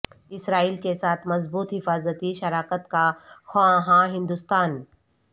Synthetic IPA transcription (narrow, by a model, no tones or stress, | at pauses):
ɪsɾaːiːlkesaːt̪ʰmɐzbuːt̪ɦɪfaːzət̪iʃɐɾaːkət̪kaxãɦãːɦɪ̃nd̪ʊst̪aːn